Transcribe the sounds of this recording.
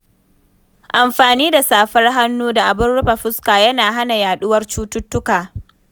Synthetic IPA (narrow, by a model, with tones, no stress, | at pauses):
ʔa˨mɸaː˨niː˦da˨saː˨ɸɐ˦rɦa˦nːuː˦da˨ʔa˨bʊ˦nɽʊ˦ɸa˨ɸʊ˦skaː˨jɐ˦naː˨ɦa˦na˨jaː˨ɗʊ˦wɐ˦rt͡ʃuː˦tʊ˦tːʊ˦kaː˨